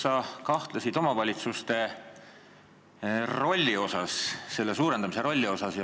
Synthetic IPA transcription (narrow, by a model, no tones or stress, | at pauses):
sɑkɑht̪lɑsid̪̥o̞mɑvɑlʲit̪sust̪e̞ | ro̞lʲːio̞sɑsːe̞lːe̞suːɾe̞nd̪̥ɑmise̞ɾo̞lʲːio̞sɑsjɑ